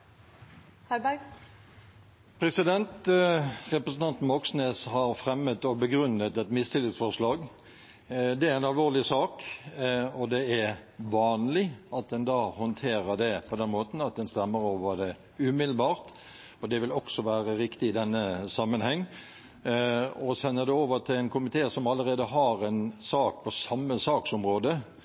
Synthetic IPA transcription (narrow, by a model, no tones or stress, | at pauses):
hæbæ | pʰɾɛsɪd̪ɛnt̪ | ʁɛpɾəsn̩ɑnt̪n̩ɔksneːshɑɾfɾɛmːət̪ɔbəɡɾʉnːət̪ɛt̪mɪst̪ɪlːɪŋsfɔʁʂlɑːɡ | d̪ɛæɾɛnɑlʋoːʁlɪsɑːk | ɔd̪ɛæɾʋɑːnlɪɑt̪̚d̪ɛnd̪ɑːhɔnt̪ʰeːɾəd̪ɛpʰɔd̪ɛnmoːt̪n̩ɑt̪̚d̪ɛnst̪ɛmːəɾoːʋəd̪ɛ | ʉːmɪd̪l̩bɑːɾt̪ | ɔd̪ɛʋɪlɔksɔʋæːɾəɾɪkt̪ɪɪd̪ɛnːəsɑmːənhɛŋː | ɔsɛnːəd̪ɛoːʋət̪ʰɪlɛɪnkʰʊmɪt̪ʰeːsɔmɑlːəɾeːd̪əɦɑɾɛnsɑːk̚pʰɔsɑmːəsɑːksɔmɾoːd̪ə